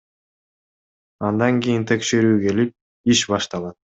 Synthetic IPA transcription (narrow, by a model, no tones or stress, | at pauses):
ɑnd̪ɑŋɡʲijint̪ʰe̞kʃe̞ɾyːɡe̞lip̚ | iʃbɑʃt̪ɑlˠɑt̪̚